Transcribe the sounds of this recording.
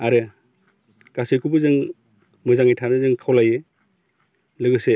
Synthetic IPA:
aɾɯ | kasɯjkʰubɯzɯŋ | mɯzaŋajtʰanɯzɯŋkʰawlaje | lɯɡɯse

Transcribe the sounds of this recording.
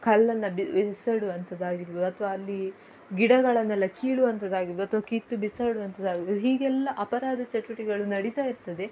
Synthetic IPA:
kʰɐlːɐnːɐbsɐɽuʋɐnt̪ɐd̪aːɡiɾuʋod̪uɐt̪ʰʋaːlːi | ɡiɽɐɡɐɭɐnːɛlːɐkiːɭuʋɐnt̪ɐd̪aːɡiɾʋod̪uɐt̪ʰʋɐkit̪ːubisaːɽuʋɐnt̪ʰɐd̪aːɡiɾʋd̪uɦiːɡɛlːɐʔɐpɐɾaːd̪ʱɐt͡ʃɐʈuʋɐʈiɡɐɭunɐɽit̪aːjiɾt̪ɐd̪e̞

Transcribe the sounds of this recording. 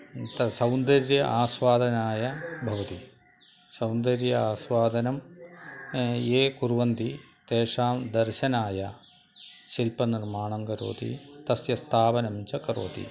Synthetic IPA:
t̪ɐsɐwnd̪ɐɾjɐʔaːsʋaːd̪ʱɐnaːjɐbʱɐʋɐt̪i | sɐwnd̪ɐɾjɐaːsʋaːd̪ʱɐnɐm | eːkuɾʋɐnd̪i | t̪eːʂaːmd̪ɐɾɕɐnaːjɐ | ɕilpɐnirmaːɳɐŋɡɐɾo̰ːt̪ḭt̪ɐsjɐst̪ʰaːʋɐnɐmt͡ʃɐkɐɾo̰ːt̪ḭ

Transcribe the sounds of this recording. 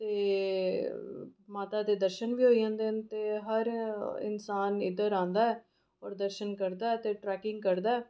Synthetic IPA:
t̪eː | maːt̪aːd̪eːd̪əɾʃənʋiːɦoːid͡ʒãːnd̪ent̪eːɦəɾɪ̰nsaːnɪ̰d̪əɾãːnd̪aːɛː | ɔːɾd̪əɾʃənkəɾd̪aːɛːt̪eːʈɾɛːkɪŋɡkəɾd̪aːɛː

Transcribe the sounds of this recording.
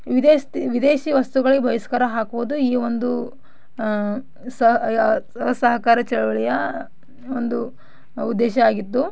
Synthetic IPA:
ʋid̪eːst̪iʋid̪eːʃiːʋɐst̪uɡɐɭiebʱɐjiskɐɾɐɦaːkuʋud̪uiːʋond̪u | sɐ | ɐɦɐsɐɦɐkaːɾɐt͡ʃɛɭɐʋɐɭɛjɐ | ond̪u | ud̪ːɛːʃɐaːɡit̪ːu

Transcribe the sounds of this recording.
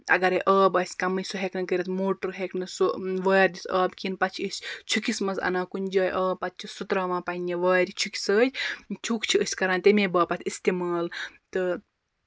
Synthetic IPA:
ɐ̰ɡɐɾeʔɐːbɐsʲkɐmɨsuɦeknɐkəɾʲit̪moːʈuɾɦeknɨsoʋɐːɾd̪ʲit̪ʰɐːbkʲinpɐt͡ʃʰiəsʲt͡ʃʰukismɐnzɐ̰naːkunʲd͡ʒɐːjʔəːbpːɐt̪̚t͡ʃʰisut̪ɾɐːmãːpɐnʲeʋəːɾʲit͡ʃʰuki̥səːtʲt͡ʃʲʰukt͡ʃʰiəsʲkɐɾaːnt̪emẽːbɐːpɐt̪ʰʲist̪imaːlt̪ɨ

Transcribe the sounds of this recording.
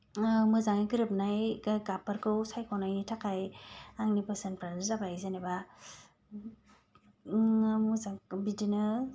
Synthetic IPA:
mɯzaŋiɡɯɾɯp̚najɡapɯɾkʰɯwsajkʰawnajitʰakʰajaŋnipɯsenpʰɾanzabajzaneba | mɯzaŋbidinɯ

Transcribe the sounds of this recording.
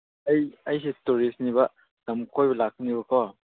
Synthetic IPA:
ɐjɐjsetuɾisnibɐ | d̥ɐmkʰojbɐlak̚nibɐkʰɔ

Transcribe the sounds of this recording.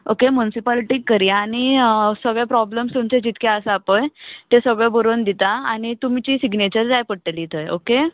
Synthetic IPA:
okemunisipəlʈiːkːəɾiaañisəɡɭjapɾɔbləmst̪umt͡ɕed͡ʑit̪keəsəapəjt̪esəɡɭẽbəɾond̪it̪aaɽ̃it̪umit͡ɕiːsiɡnet͡ɕəɾd͡zajpəɽʈəliːt̪ʰəjo̰ke

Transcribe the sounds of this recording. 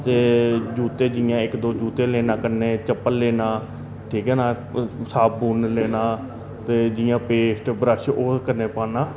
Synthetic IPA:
t̪eːd͡ʒuːt̪eːd͡ʒɪjãːɪkd̪oːd͡ʒuːt̪eːleːnãːkənẽːt͡ʃəpːənleːnãː | ʈʰiːkɦɛːnaː | saːb̚buːnleːnãː | t̪eːd͡ʒɪjãːpeːsʈbɾəʃoːkəɾneːpãːnãː

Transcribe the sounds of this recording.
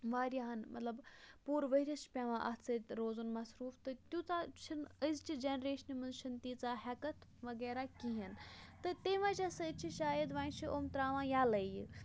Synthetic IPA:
ʋaːɾʲjaɦɐnmʔɐ̰t̪lɐbpuːɾʋɐɦɾʲɐʃpʲaːʋãːʔɐ̰t͡sɐt̪ʲɾoːzunmɐsɾuːft̪ɨt̪jut͡sat͡ʃʰɐnəzt͡ʃʰid͡ʒenɾeːʃɐnimɐnzʃɐnt̪iːt͡saːɦɐkɐt̪ʰʋɐɡɛːɾaːkiɦint̪ɨt̪eːʋãːt͡ʃɐsɐt͡ʃʰiʃaːjɐd̪ʋaːnt͡ʃʰiʔoːmt̪ɾaːʋãːjaːlɐji

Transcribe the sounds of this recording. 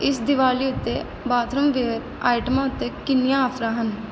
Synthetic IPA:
ɪsd̪ɪʋaːliʊt̪ːe | baːt̪ʰɾəmʋeːɾ | aːɪʈəmãːʊt̪ːekɪnːijãəpʰɾaːɦən

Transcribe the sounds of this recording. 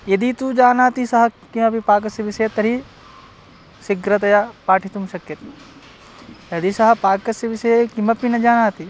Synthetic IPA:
jɐd̪it̪ud͡ʒaːnaːt̪isɐɦɐkimɐpipaːkɐsɐʋiʃɐjɐt̪ɐɾi | siɡɾɐt̪ɐjapaːʈʰit̪umʃɐkjɐt̪i | jɐd̪isɐɦɐ̆paːkɐsɐʋiʃɐjɐkimɐpinɐd͡ʒaːnaːt̪i

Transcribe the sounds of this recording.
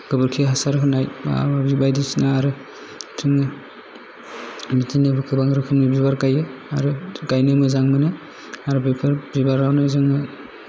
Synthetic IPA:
ɡ̥ɯbɯɾkʰiɦasaɾɦɯnaja̰abibajdisinaːɾɯ | tʰɯŋɯ | mitinɯbɯkʰɯbaŋɾɯkʰɯmibibaɾkajɯaɾɯkajnɯmɯzaŋmɯnɯ | aɾɯbepʰaɾɾibaɾawnɯzɯŋɯ

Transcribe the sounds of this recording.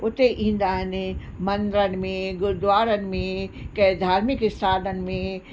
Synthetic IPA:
ʊt̪eʔĩːn̆d̪aːɦɪnɪ | mɐ̃nd̪ɾənɪ̆mẽɡʊɾʊd̪ʋaːɾənɪ̆mẽkɐd̪ʱaːɾmɪkɪst̪ʰaːdənɪ̆mẽ

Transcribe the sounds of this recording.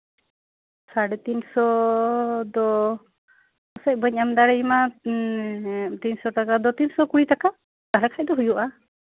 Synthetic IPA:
saɽɛt̪insɔ | d̪ɔ | ɔsac̚bəɲamd̪aɽɛima | t̪insɔtakad̪ɔt̪insɔkuɽit̪aka | d̪̥aɽɛkʰaj̚d̪ɔɦujuʔa

